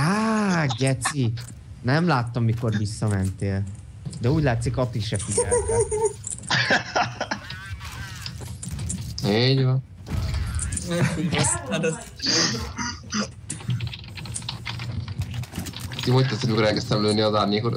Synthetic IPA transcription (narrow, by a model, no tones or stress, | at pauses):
aːɡɛt̪si | nɛmlaːt̪ːɒmːiko̞rvisːɒmɛnt̪eːl | d̪ɛuːɟlaːt̪sikɒt̪ːiʃɛfiɛ̰ | iɟvɒn | at̪ɛ | kimoct̪ɛt̪simikoɾɛlkɛst̪ɛmløːniɒzaːrɲeːkoɾ